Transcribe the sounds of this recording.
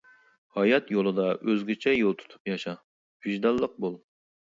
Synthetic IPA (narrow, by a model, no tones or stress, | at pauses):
hɑjɑt̪jolˠɨd̪ɑʔøzɡʲit͡ʃʰɛjolˠt̪ʰu̥t̪ʰu̥pjɑʃɑ | b̥yʒd̪ɑlˠːəq̚bolˠ